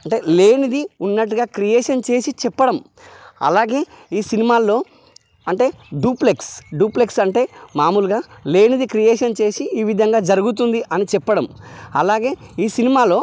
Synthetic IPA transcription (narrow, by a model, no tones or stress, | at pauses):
ɐɳʈe̞ːle̞ːnid̪iunːɐʈ̬ːuɡaːkɾijeːʂɐnt͡ʃe̞ːsit͡ʃɛpːɐɽɐm | ɐ̰laːɡe̞ː | iːsinimaːlːo̞ː | ɐɳʈe̞ːɖuːpleksɖuːpleksɐɳʈe̞ːmaːmulɡaːleːnid̪ikɾijeːʂɐnt͡ʃe̞ːsiiːʋid̪ʱɐŋɡaːd͡ʒɐɾuɡut̪und̪iʔɐnit͡ʃɛpːɐɽɐmɐlaːɡe̞ːiːsinimaːlo̞ː